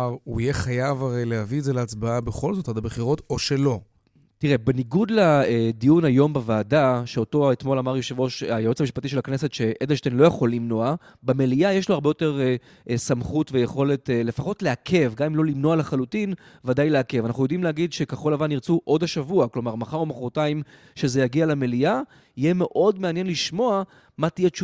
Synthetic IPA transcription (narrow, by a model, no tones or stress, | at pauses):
aʁuijeχajavaʁejlehaviezeleat͡sbaabeχo̞lzo̞tad̪abeχiʁo̞to̞ʃelo̞ | tiʁe̞beniɡudladijunajo̞mbavaːdaʃeo̞to̞etmo̞lamaʁjoʃevo̞ʃajaot͡samiʃpatiʃ̬elakne̞se̞tʃe̞ʔed̪elʃtenlojaχo̞lːimno̞a | beme̞liajeʃloaʁbejo̞te̞ʁ | samχutvejeχo̞le̞tele̞faχo̞tleakʰe̞vɡamimlo̞limno̞alaχalutin | vadajleakevanaχujo̞dimleaɡidʃekeχo̞lavaniʁt͡suʔo̞daʃavuaklo̞maʁmaχaʁomaχʁotaim | ʃe̞zejaɡialemelia | ijeme̞ʔo̞dmeanje̞nliʃmo̞a | matijet͡ʃu